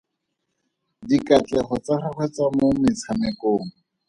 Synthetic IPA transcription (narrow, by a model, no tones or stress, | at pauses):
dikat͡ɬɛχɔt͡saχaχwɛt͡samomɪt͡sʰamɛkoːŋ̩